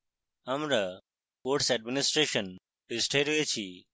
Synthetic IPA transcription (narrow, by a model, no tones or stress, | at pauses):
ɦəmɾə | koːʈsɛɖ̚mɪnɪsʈɾeːʃən | ɖɪsʈʰejɾeːt͡ʃʰiː